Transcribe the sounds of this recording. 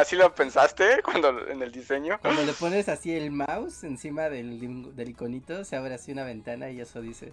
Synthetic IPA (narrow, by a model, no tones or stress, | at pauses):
asilope̞nsast̪e̞kwand̪oḛneld̪ise̞ɲokwand̪o̞lepo̞ne̞sasie̞lmawse̞nsimaðeld̪e̞liko̞nit̪o̞seaβeɾasiunaβe̞nt̪anaeʝesoðise̞̰